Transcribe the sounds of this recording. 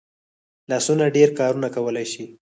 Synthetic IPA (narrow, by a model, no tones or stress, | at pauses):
lɑsunaɖeɾkɑɾunakawəlajʃi